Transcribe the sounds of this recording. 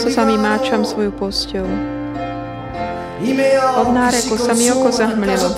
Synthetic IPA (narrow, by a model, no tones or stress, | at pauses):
sɔsamimaːt͡ʃamsʋɔjupɔscɛɦu | imɔd̪naːɾɛkɔsamiɔkɔzaɦmlɛlɔ